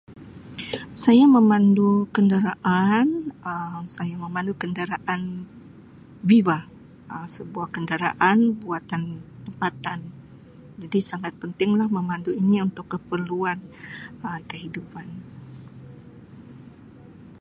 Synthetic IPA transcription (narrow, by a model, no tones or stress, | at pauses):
sajaməmandukəndəɾaʔanəmsajaməmandukəndəɾaʔan | viva | əsəbuahkəndəɾa̰ʔanbuat̪ant̪əmpat̪an | d͡ʒadisaŋat̪̚pənt̪ɪŋlahməmanduiniunt̪ʊkːəpərluanəkəɦidupan